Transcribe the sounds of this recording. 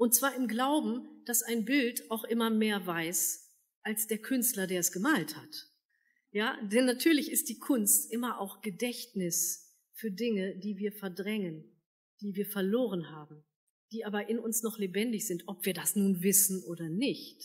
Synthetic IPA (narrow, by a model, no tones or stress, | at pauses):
ʔʊnt̚t͡sv̥aːɐɪmɡlaʊbm̩d̥asaɪnbɪltʔaʊxʔɪmɐmeːɐvaɪs | ʔalsd̥eːɐkʰʏnstlɐdeːɐɛsɡ̥əmaːlthat | jaːdɛnːatʰyːɐlɪçɪst̚d̥iːkʰʊnstʔɪmɐʔaʊxɡ̥ədɛçtnɪs | fyːɐdɪŋədiːviːɐfɛɐdʁɛŋən | d̥iːviːɐfɛɐloːʁ̞ənhaːbm̩ | d̥iːʔaːbɐʔɪnʊnsnɔχlebɛndɪçz̥ɪntʔɔpv̥iːɐdasnuːnvɪsn̩ʔoːɾɐnɪçt